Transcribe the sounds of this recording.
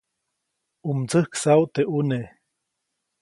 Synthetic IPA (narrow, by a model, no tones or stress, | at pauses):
umt͡səhksawt̪eʔune